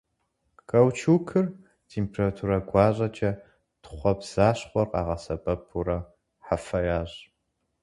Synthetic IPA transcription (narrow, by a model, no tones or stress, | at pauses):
kʼɐwt͡ʃʰukʰɨr | tʰempʰeratʰuɾɐɡʷɑːʑʼɐt͡ʃʼɐ | tχʷɔbz̥aːɕχʷɔrqʼɑ̰ːʁɐsɐpʼɐpʰuɾɐ | ħafɐjaːɕ